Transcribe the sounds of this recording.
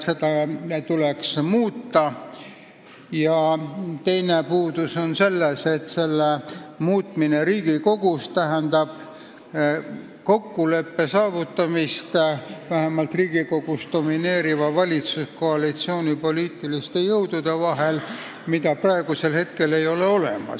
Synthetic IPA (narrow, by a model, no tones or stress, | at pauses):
se̞t̪ɑt̪uleksmuːt̪ːɑ | jɑt̪e̞jne̞puːd̪̥uso̞nse̞lːese̞t̪se̞lːemuːt̪mine̞ɾiːɡ̥iko̞ɡ̥ust̪æɦænd̪ɑb̥ | ko̞kːule̞pːe̞sɑːvut̪ːɑmist̪væɦemɑlt̪riːɡ̥iko̞ɡ̥usd̪o̞mine̞ːɾivɑvɑlʲit̪susko̞ɑlit̪sio̞ːnʲipoliːt̪ːˑilist̪e̞jɤwd̪̥ud̪̥e̞vɑɦe̞l | mit̪ɑprɑe̞ɡ̥use̞lhe̞t̪ke̞le̞jo̞leo̞lḛmɑ̰s